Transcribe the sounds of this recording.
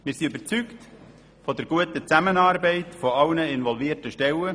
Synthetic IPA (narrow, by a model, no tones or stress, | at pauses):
mɪːɾsiybəɾt͡sykt | fɔdəɾɡ̥uətət͡sæmənɑːrbɛɪtfɔɑlnəɪnvɔlviːərtəʃtɛlə